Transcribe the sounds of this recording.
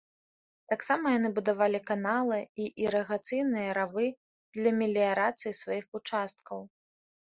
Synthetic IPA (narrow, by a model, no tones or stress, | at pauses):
t̪aksamɐjanɨbud̪avalʲikanalˠɨiʔiɾɐɣat̪sɨjnɨjɐɾavɨ | d̪lʲɐmʲilʲijaɾat̪sɨjisvajixut͡ʂast̪̚kʰɐw